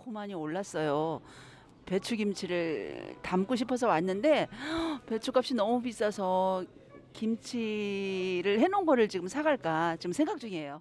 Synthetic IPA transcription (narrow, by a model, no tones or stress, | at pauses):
komaɲioɭːas͈ʌjo | pe̞t͡ɕʰuɡimt͡ɕʰiɾɯɭtamk͈uɕ̬ʰipʰʌs̬ʰʌwanːɯnde̞pe̞t͡ɕʰuk͈ap̚ɕ͈inʌmupis͈ʌsʰʌ | kimt͡ɕʰi | ɾɯɭhenonɡʌɾɯɭt͡ɕiɡɯmsʰaɡaɭk͈at͡ɕiɡɯmsʰe̞ŋɡak̚t͡ɕ͈uŋiejo